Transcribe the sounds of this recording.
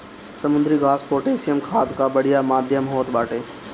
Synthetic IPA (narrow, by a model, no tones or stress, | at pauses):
sɐmʊ̃nd̪ɾiɡaːspoːʈeːsijəmkʰaːd̪kabəɽ̤ijamaːd̪ʱjəmɦoːt̪ɓaːʈeː